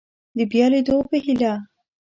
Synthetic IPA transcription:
d̪əbjɑled̪obəhila

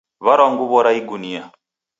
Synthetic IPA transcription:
βaɾaŋɡuβɔɾaiɡunia

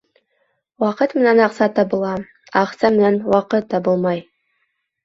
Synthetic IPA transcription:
wɑqət̪mɘ̆nænɑqsɑt̪ːɑbəlˠɑ | ɑqsɑmɘ̆nænwɑqət̪ʰːɑbɤlˠmɑj

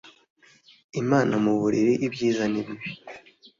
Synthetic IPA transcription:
imaːnʔamuβuɾiɾiʔibɟiːzaniβiβi

